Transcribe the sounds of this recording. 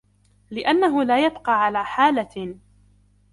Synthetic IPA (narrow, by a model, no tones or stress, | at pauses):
lɪʔanːaɦʊlaːjabqɑːʕalaːħaːla